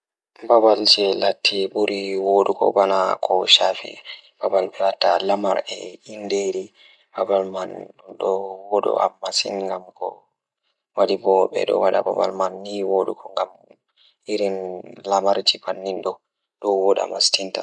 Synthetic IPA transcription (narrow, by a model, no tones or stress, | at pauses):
babald͡ʒɛlatʰːibuɾiwoɗukɔ̰banakʰɔʃafḭb̥abalbɛlatːalamaɾɛindeɾi | babalmanɗɔwɔɗɔ̰ʔamːasḭnŋɡamkɔ̰ | waɗibɔɓɛ̰ɗɔ̰waɗaba̰ba̰lmanːiwoɗukɔŋɡam | iɾinlamaɾt͡ʃibanːinɗɔ | ɗɔwɔɗa̰mastinta̰